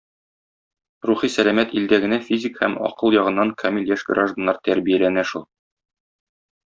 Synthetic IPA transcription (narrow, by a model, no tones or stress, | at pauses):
ruχisælæmæt̪ild̪æɡɘ̆næfʲizʲikhæmɒ̰qɤlˠjɒʁɤ̆nːɑŋkʰɐmʲiljæʃɡɾaʒd̪ə̆nːɑɾt̪æɾbijælænæʃulˠ